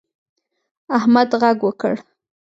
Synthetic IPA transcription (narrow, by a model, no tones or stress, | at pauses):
ahmad̪ɣaɡwəkə̰ɽ